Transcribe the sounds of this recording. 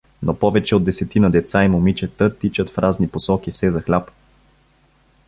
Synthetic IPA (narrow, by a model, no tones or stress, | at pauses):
nopɔvɛt͡ʃɛod̪d̪ːɛsɛt̪inəd̪ɛt̪saimʊmit͡ʃɛt̪ət̪it͡ʃət̪fɾʔazniposɔkifsɛzɐxlʲap